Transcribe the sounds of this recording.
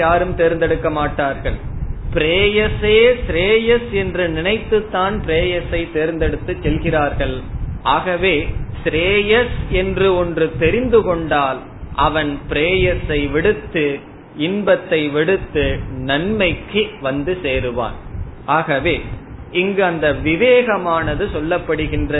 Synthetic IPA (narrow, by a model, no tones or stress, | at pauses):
aːɾɯmt̪eːɾnd̪ɛɽɯkːɐmaːʈːaːɾɣɐɭpɪɾeːjɐseːsɾeːjɐsɛndrɯnɪnɐɪt̪ːɯt̪ːaːnpɪɾeːjɐsɐɪt̪eːɾnd̪ɛɽɯt̪ːɯt͡ʃːɛlɣɪraːɾɣɐɭʔaːɣɐʋeːsɾeːjɐsɛndrɯɔndrɯt̪ɛɾɪnd̪ɯkɔɳɖaːl | ʔɐʋɐnpɪɾeːjɐsɐɪʋɪɽɯt̪ːɯ | ɪnbɐt̪ːɐɪʋɪɽɯt̪ːɯnɐnmɐɪkːɯʋɐnd̪ɯseːɾɯʋa̰ːnʔaːɣɐʋeːɪŋɡɯɐnd̪ɐʋɪʋeːɣɐmaːnɐðɯsɔlːɐpːɐɽɯɣɪndrɐ